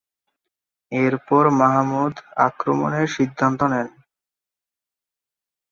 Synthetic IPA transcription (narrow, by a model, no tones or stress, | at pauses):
eɾpɔɾmaɦmud̪a̰kɾomo̰neɾʃid̪ʱːant̪onɛn